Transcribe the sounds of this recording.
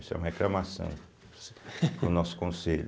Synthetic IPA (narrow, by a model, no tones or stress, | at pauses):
isʊɛ̰umɐheklɐmasɐ̰̃w̃ | pʊnɔsʊ̥kõseʎ